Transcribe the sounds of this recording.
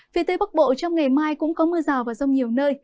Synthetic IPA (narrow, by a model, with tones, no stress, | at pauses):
fi˧˩ət̪əː˧jɓa˦˥k̚ɓo̰˧˨t͡ɕɔ˧wŋ͡mŋa˨˩jmaː˧jkʊ̰˧˥ŋ͡mkɔ˨˦mɨ˧əzaː˨˩wvaː˨˩zə˧wŋ͡mɲi˨˩əwnəː˧j